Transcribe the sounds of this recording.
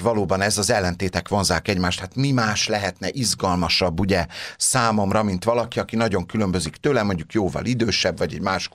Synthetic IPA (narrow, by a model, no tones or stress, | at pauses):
vɒloːbɒnɛzɒzɛlːɛnt̪eːt̪ɛkʋo̞nzaːkɛɟmaːʃt̪hat̪mimaːʃlɛɦɛt̪nɛʔizɡɒlmɒʃɒbːuɟɛsaːmo̞mrɒmint̪ʋɒlɒkiɒkinɒɟo̞ŋkylø̞mbø̞zikt̪øːlɛmo̞ɲɟukjoːvɒ̰lid̪øːʃɛbvɒɟɛ̰ɟmaːʃ